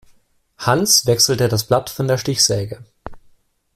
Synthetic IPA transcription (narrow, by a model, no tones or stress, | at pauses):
hansv̥ɛksl̩tədasb̥latfɔndeːɐʃtɪçz̥ɛːɡə